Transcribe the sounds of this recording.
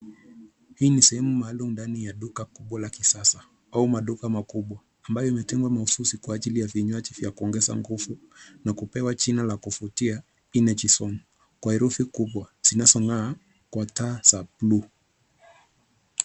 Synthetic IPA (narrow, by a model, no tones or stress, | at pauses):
hiːnisɛhɛmumaːlumundanijaɗukakuɓwalakisasa | aumaɗukamakuɓwaːmbajɔimɛtɛŋɡwamaususikwaːʄilijaviɲwat͡ʃivjakuɔŋɡɛza̰ŋɡuvu | nakupɛwat͡ʃinalakufutia | inɛt͡ʃisɔn | kwaɛɾufikuɓwaz̥inazɔŋaː | kwatasaplu